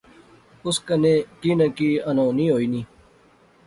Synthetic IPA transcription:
ʊskəneːkiːnəkiːənõːnĩːɦoːiːnĩː

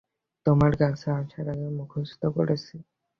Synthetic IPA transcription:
t̪omaɾɡaŋsaaŋʃaɾaɡemukʰosu̥t̪oko̰ɾet͡ɕʰi

